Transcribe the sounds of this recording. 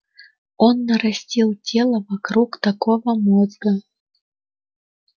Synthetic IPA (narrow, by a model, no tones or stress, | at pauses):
ɔnːɐɾasʲt͡sʲiwt͡sʲɛlˠɐvakɾukt̪akɔvɐmɔzɡɐ